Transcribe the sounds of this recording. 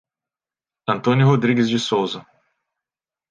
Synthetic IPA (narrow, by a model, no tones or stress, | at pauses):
ɐ̃nt̪õnʊɦod̪ɾiɡɪzd͡ʒɪsowzɐ